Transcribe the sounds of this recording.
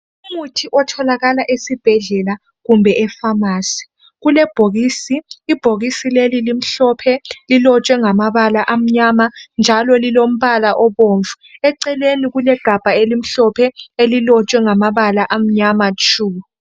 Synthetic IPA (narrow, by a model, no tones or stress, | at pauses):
umutʰiʔɔtʰɔlaɣalaʔesib̥ʱɛɮɛla | ɣumbʱɛʔɛfamaːsɛ̥ | ɣulɛb̥ʱoɣiːsiːb̥ʱoɣisilelilim̩ɬɔpʰɛlilɔt͡ʃʼwɛŋamaβalaʔam̩ɲamand͡ʒʱalɔlilom̩βalaʔɔβoɱvuɛǀɛleniɣulɛɡ̥ʱab̥ʱaelim̩ɬɔpʰɛelilɔt͡ʃʼwɛŋamaβalaʔam̩ɲamat͡ʃʰʼuː